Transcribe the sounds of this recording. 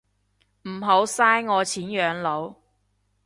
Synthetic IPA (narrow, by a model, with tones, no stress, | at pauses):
m̩˨˩ɦo˨˥wsaː˥jŋɔː˨˧t͡sʰiː˨˥njœː˨˧ŋlo˨˧w